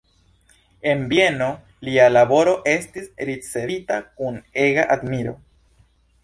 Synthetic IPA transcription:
e̞mbje̞no̞ | lialabo̞ɾo̞ʔe̞stisɾit͡se̞vitakune̞ɡaʔadmiɾo̞̰

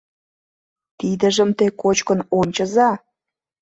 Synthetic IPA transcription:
t̪id̪ə̆ʒəmt̪ekot͡ɕkənonʲt͡ɕəzɑ

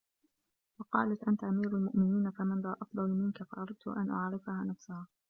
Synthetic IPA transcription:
wɑqɑːlat̪ʔant̪aʔamiːɾalmʊʔmɪniːnafamɪnlaːʔɑfd̪ˤɑlmɪnkafɑʔɑɾˤɑd̪̚t̪ʊʔa̰nʔa̰ʕɾɪfahaːnafsʊhaː

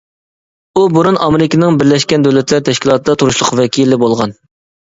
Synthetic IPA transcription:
ubuɾunɑmeɾɪkʲinɪŋbɪɾlɛʃkʲɛnd̪øwlɛt̪ʰlæɾt̪ʰɛʃkʲilˠɑːt̪ʰɨd̪ɑt̪ʰuɾuʃlˠʊqvɛkʲʰilːɪbolˠʁɑn

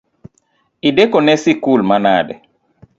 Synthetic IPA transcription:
ʔidɛkɔnɛsikuːlmana̰ːdɛ̰

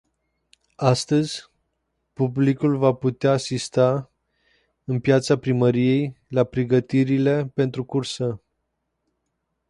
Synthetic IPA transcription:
ast̪əzʲ | publikulvaput̪eaːsist̪a | ɨnpjat̪sapɾiməɾije̞jlapɾeɡət̪iɾile̞pe̞nt̪ɾukursə

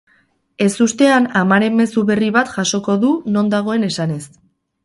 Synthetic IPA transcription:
e̞sust̪e̞anamaɾe̞mːe̞suβe̞riβ̞at̪ʝaʃo̞ko̞ðuno̞nd̪aɣ̞o̞e̞ne̞sane̞s

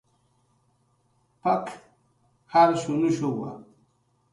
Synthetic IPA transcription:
pɐk | haɾɕunuɕowa̰

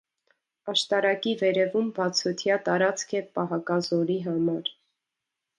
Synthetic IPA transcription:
ɑʃt̪ɑɾɑkivɛɾɛvumbɑt͡sʰɔt̪ʰjɑt̪ɑɾɑt͡skʰɛpɑɦɑkɑzɔɾiɦɑmɑɾ

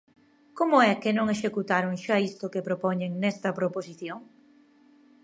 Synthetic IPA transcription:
komʊɛkɪnõŋeʃekut̪aɾʊŋʃaist̪ʊkepɾopɔɲeŋnɛst̪ɐpɾoposiθjoŋ

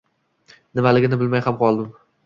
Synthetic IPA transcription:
nɪmalɪɡʲɪnɪbɪlmajhamqʰɒlˠd̪ɪm

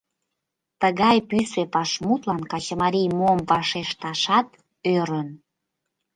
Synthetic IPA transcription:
t̪əɣɑjpysepɑʃmut̪lɑnkɑt͡ɕəmɑɾijmomvɑʃeʃt̪ɑʃɑt̪ | øɾən

